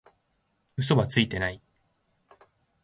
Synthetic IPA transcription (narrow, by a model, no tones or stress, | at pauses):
ɯ̟s̬o̞βat͡sɨit̪e̞nai